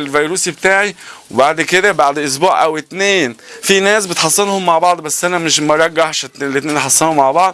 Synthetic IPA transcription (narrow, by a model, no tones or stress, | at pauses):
lvajɾuːsibt̪aːʕiwbaʕd̪kɪd̪abaʕd̪ʔʊs̬buːʕʔawɪt̪neːnfineːsbɪt̪ħɑsˤːɨnhʊmːaʕbɑʕd̪ˤbasːʔanamɪʃmɑɾˤɑɡːaħʃt̪ːlt̪neːnħɑsˤːɑnhʊmːaʕbɑʕd̪̚ˤ